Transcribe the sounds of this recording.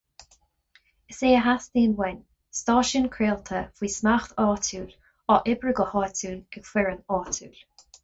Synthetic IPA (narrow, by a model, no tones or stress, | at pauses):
əseːəɦast̪iːnwɛn | stɔːʃənkʰɹeːlt̪ʰəv̥iːsmaxt̪ɔːtʰuːl | ɔʔɪbɹəɡɔhɔtʰuːlɪɡ̥fwɪɹənɔːtʰuːl